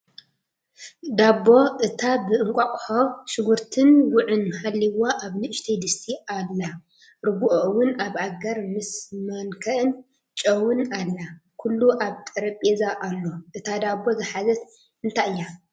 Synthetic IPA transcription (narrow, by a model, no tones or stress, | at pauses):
d̪abːo̞ʔɨt̪ʰabɨʔɨŋkʷʼakʼxaʃɪɡuɾt̪ʰɨnwʊʕɨnhalːiwaʔaβnɨʃt̪ʰɐd̪ɨst̪ʰialːa | ɾɨbuʔoʔɨwʊnaβaɡɐɾmɨsmɐnkʰɐʔɨn | t͡ʃʼɐwunalːakʰulːuʔaβt̪ʼɐɾɐpʼezaʔalːo̞ʔɨt̪ʰad̪abːo̞zɨħazɐt̪ | ɨnt̪ʰaʔɨjːa